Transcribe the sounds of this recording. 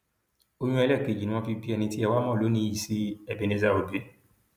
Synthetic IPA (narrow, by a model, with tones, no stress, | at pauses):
o˧ɲ̃ũ˦ɛ˧lɛ˦˨ke˨d͡ʒnĩ˦ɔ̃˧fi˧bi˦ɛ˧nĩ˧ti˦ɛ˧wa˦mɔ̃˦˨lo˨˦nĩ˦i˨si˨˦ɛ˧˨be˨ne˧za˧˨o˨be˨˦